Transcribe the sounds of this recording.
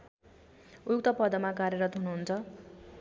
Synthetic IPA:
ujuk̚t̪ʌpʌd̪ʌmakaɾjʌɾʌt̪ɦunuɦunt͡sʰʌ

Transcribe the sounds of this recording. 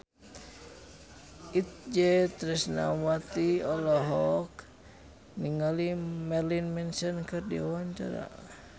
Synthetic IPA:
ʔit̪̚d͡ʒɛt̪ɾɛsna̰wat̪iɔlɔɦɔk | niŋalimɛrlinmɛnsɔnkɨrdḭawaɲt͡ʃa̰ɾa̰

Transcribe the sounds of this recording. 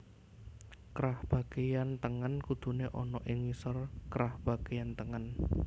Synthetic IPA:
kɾahb̥a̤ɡ̥ejant̪əŋənkud̪̥ṳneʔɔnɔʔɪŋisərkɾahb̥a̤ɡ̥ejant̪əŋən

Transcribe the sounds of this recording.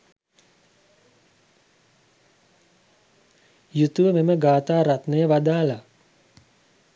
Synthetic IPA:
jut̪uʋəmeməɡaːt̪aːɾat̪nəjəʋad̪aːla

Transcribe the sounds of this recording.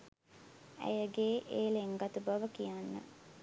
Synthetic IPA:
æ̰jəɡeːʔeːleŋɡat̪ubaʋəkijanːə̰

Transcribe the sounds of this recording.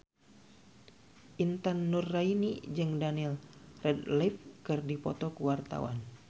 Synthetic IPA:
ʔint̪anːurːainid͡ʒɨŋdanilrɛdlɛp̚kɨrdipɔt̪ɔkuwart̪a̰wa̰n

